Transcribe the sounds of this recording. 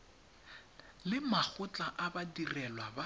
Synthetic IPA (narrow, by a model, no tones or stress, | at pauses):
lɪmak͡xʊt͡ɬʼaʔabadirɛlwaba